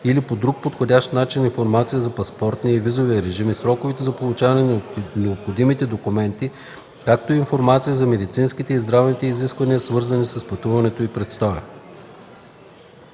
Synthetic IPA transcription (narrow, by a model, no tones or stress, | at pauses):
ilipod̪ɾuk̚pot̪xodʲaʃt̪nat͡ʃininfoɾmat̪sijəzɐpɐspɔɾt̪niəivizoviəɾɛʒimisɾɔkʊvit̪ɛzɐpolˠʊt͡ʃavɐnɛnnɛopxod̪imit̪ɛd̪okumɛnt̪i | kak̚t̪oiinfoɾmat̪sijəzɐmɛd̪it̪sinsk̟it̪ɛizd̪ɾavnit̪ɛiziskvɐniəsvɤɾzɐnisɐspɐt̪uvɐnɛt̪oipɾɛt̪st̪ɔjə̰